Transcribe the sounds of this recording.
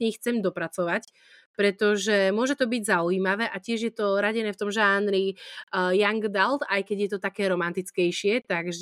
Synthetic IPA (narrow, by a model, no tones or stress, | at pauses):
ɲɛxt͡sɛmd̪ɔpɾat͡sɔʋac | pɾɛt̪ɔʒɛmʊɔʒɛt̪ɔbiɟzauiːmaʋɛːʔacɪɛʒjɛt̪ɔɾaɟɛnɛːft̪ɔmʒaːnɾijaŋɡd̪alt̪ajkɛɟjɛt̪ɔt̪akɛːɾɔmant̪it͡skɛjʃɪɛt̪aɡʒ